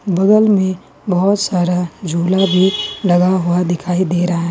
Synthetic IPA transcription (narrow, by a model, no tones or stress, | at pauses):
bɐɡəlmẽ | bɐɦʊt̪saːɾad͡ʒʱuːlabʱilɐɡaɦʊad̪ɪkʰaːid̪eːɾɐɦaɦɛː